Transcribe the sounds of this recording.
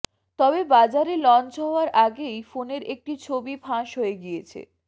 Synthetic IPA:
t̪ɔbebad͡ʑaɾelɔnt͡ɕɦɔoaɾʔaɡejfoneɾʔek̚ʈit͡ɕʰobipʰãʃɦoeɡiet͡ɕʰḛ

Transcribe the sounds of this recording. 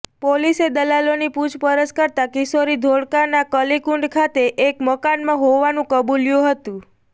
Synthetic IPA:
polised̪əlalonipud͡ʒpəɾəd͡ʒkəɾt̪akɪsoɾid̪ʱoɽkaɾnakəlikuɳɖkʰat̪eʔekməkanmãɦoʋanũkəbuljuɦət̪ũ

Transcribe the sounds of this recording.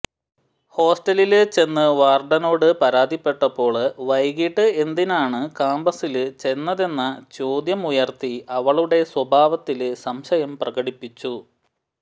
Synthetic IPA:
ho̞ːsʈɐlilɨt͡ɕe̞nːɨʋaːrɖɐno̞ːɽɨpɐɾaːd̪ʱipːe̞ʈːɐpːo̞ːɭʋɐjɡiʈːɨe̞nd̪inaːɳɨkaːmbɐsilɨt͡ɕe̞nːɐðe̞nːɐt͡ɕoːd̪jɐmujɐrt̪iɐʋɐɭuɽe̞swɐbʱaːʋɐt̪ːilɨsɐmɕɐjɐmprɐɣɐɽipːit͡ɕːu

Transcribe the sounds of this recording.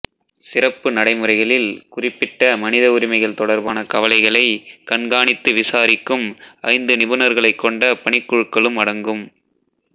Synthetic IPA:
sɪrɐpːɯnɐɽɐɪmɯrɐɪɣɐɭɪlkʊrɪpːɪʈːɐmɐnɪðɐʊɾɪmɐɪɣɐɭt̪ɔɽɐɾbaːnɐkɐʋɐlɐɪɣɐɭɐɪkɐɳɡaːɳɪt̪ːɯʋɪsaːɾɪkːɯmɐɪnd̪ɯnɪbɯnɐɾɣɐɭɐɪkːɔɳɖɐpɐɳɪkːɯɻɯkːɐɭɯmɐɽɐŋɡɯm

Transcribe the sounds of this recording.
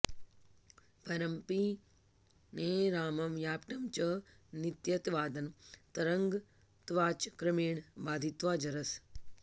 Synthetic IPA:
pɐɾɐmpi | neːɾaːmɐmjaːpʈɐmt͡ʃɐ | nit̪jɐt̪ʋaːd̪ɐnt̪ɐɾɐŋɡ | t̪ʋaːt͡ʃkɾɐmeːɳbaːd̪ʱit̪ʋaːd͡ʒɐɾɐs

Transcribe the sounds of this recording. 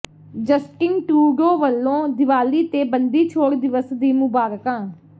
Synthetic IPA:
d͡ʒəsʈɪŋɡʈuːɡoːʋəlːõːd̪ɪʋaːliːt̪eːbənd̪iːt͡ʃʰoːɽd̪ɪʋəsd̪iːmʊbaːɾkãː

